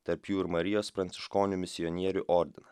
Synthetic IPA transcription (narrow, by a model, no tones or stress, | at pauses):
t̪ɐɾpjuːɪɾmɐɾʲɪjoːspɾɐnt̪sʲɪ̥ʃkoːnʲʊmʲɪsʲɪɔnʲiɛɾʲuʔɔɾʲd̪ʲɪnɐ